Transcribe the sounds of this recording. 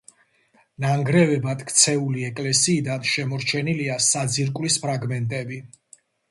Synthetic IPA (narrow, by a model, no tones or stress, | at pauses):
naŋɡɾɛvɛbat̪ʰkʰt̪sʰɛuliɛkʼlɛsiːd̪anʃɛmɔɾt͡ʃʰɛniliasad̪ziɾkʼwlispʰɾaɡmɛnt̪ʼɛbi